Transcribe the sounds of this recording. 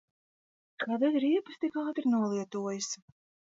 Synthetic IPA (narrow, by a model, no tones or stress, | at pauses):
kʰad̪azɾʲiɛpɨst̪ʲikaːt̪iɾnuɔlˠiɛt̪uɔjɨs